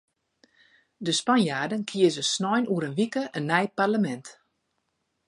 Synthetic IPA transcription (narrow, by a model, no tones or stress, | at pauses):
dəspanjaːdənkʰiəzəsnɔjnuəɾənʋikəʔənːɛjparləmɛnt